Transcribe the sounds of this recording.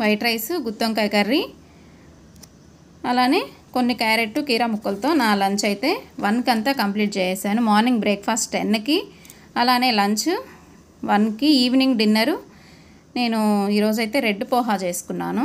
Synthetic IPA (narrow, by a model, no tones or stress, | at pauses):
ʋɐjʈɾɐjsuɡut̪ːoŋkɐjkɐɾːi | ɐlaːne̞ː | ko̞nːikaːɾeʈːukiːɾaːmukːɐlt̪o̞ːnaːlɐɲt͡ʃɐjt̪e̞ːʋɐnkɐnt̪aːkɐmpliːʈ̚t͡ʃɛːjeːsaːnumaːɾniŋɡ̚bɾeːk̚pʰaːsʈenːɐki | ɐlaːne̞ːlɐɲt͡ʃu | ʋɐnkiiːʋniŋɡɖinːɐɾu | ne̞ːnuiːɾo̞ːd͡ʒɐjt̪e̞ːɾe̞ɖːupɔːɦaːt͡ʃe̞ːsu̥kunːa̰ːnu